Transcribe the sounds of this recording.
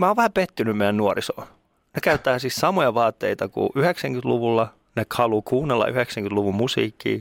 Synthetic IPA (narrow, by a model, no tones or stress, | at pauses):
mæoːʋʋæhæpet̪ːynymmeijænuoriso̰ː | nekæyt̪ːæːsissɑmojɑʋɑːt̪ːeit̪ɑkṵʔyheksæŋkyt̪luʋulːɑ | nekhɑlukʰuːnːelːɑ̰ʔyheksæŋkyt̪luʋummusḭːkːḭː